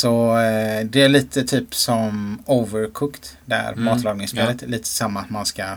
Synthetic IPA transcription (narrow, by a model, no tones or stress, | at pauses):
sɔ | d̪ɛæɭiːt̪ʰət̪ʰyːpsɔmoːvəɾkʰʊkt̪d̪ɛæ̰ɾmɑːt̪lɑːɡnɪŋspeːlət̪ɛliːt̪ʰə̥samːaːt̪manska